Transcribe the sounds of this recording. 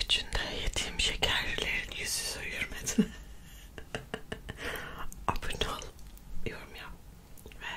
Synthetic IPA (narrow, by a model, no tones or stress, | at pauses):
yt͡ʃʰynd̪ɛjet̪ʰiːmʃecʰæɾllʲeɾinjyzysøjyɾmed̪in | apʰynʰolˠjoɾmja | vɛ